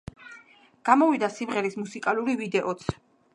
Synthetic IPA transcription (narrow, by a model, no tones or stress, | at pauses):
ɡ̥amɔvid̪asimʁɛɾismusikʼaluɾivid̪ɛʔɔt̪sʰ